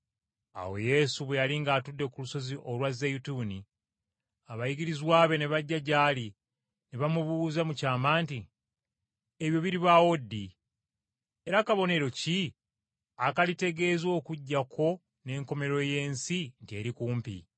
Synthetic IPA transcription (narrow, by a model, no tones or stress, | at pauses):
a̰wo̞̰je̞ːsuβwe̞jaliŋɡaːtudːe̞kuluso̞ziʔo̞lwazejutuːni | aβajiɡiɾizwaːβe̞neβaɟːaɟaːli | neβamuβuːzamucaːmaːnti | eβjo̞βiɾiβawo̞dːi | e̞ɾakaβo̞ne̞ɾo̞ci | akalite̞ɡe̞ːzo̞ːkuɟːakʰo̞ | ne̞ːŋko̞me̞ɾo̞je̞ːnsintie̞ːɾikuːmpḭ